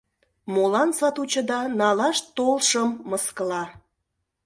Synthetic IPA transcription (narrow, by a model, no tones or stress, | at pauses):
molɑnsɑt̪ut͡ɕə̆d̪ɑnɑlɑʃt̪olʃəmːəskəlɑ